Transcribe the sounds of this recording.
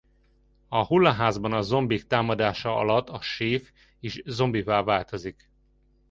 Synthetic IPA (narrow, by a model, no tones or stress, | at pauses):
ɒhulːɒɦaːzbɒnɒzo̞mbikt̪aːmɒd̪aːʃɒɒ̰lɒt̪ːɒʃeːf | eːʃzo̞mbivaːlvaːlt̪o̞zik